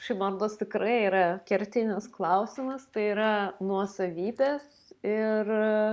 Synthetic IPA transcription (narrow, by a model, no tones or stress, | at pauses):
ʃʲɐɪmɐrd̪oːst̪ʲɪkɾɐɪiːɾɐkʲɛɾʲt̪ʲɪnʲɪsklˠɐʊsʲɪmɐst̪ɐɪiːɾɐnuɔsɐʋʲiːbʲeːs | ɪr